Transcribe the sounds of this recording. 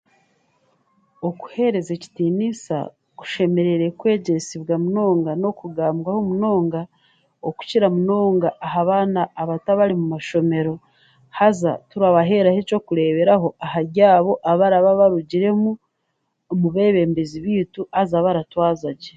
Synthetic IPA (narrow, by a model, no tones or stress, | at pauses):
oku̥he̞ɾe̞zeci̥tinisa̰ | ku̥ʃe̞me̞ɾe̞ɾekwe̞ːɟe̞siβɡamuno̞ːŋɡano̞kuɡaːmbɡahomuno̞ːŋɡa | oku̥ciɾamuno̞ːŋɡaʔːɦaβaːnaːβataβaɾimumaʃo̞me̞ɾo̞ | haza̰tuɾaβaɦe̞ɾaheco̞kuɾe̞ːβe̞ɾaɦo̞ʔahaɾɟaːβo̞ʔaβaɾaβaβaɾuɟiɾe̞mu | muβe̞ːβe̞mbeziβiːtuhazaβaɾatwaːzaɟe